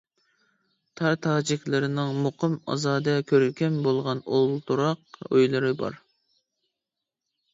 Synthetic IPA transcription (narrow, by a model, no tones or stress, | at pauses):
t̪ʰɑɾt̪ʰɑːd͡ʒikʲlˠɨɾɪnɨŋmuqʰəmɑ̰zɑːd̪ɛkʲʰøɾylʲkʲɛnbolˠʁɑnolˠt̪uɾɑq̚ø̰jlˠɨɾɨbɑ̰ɾ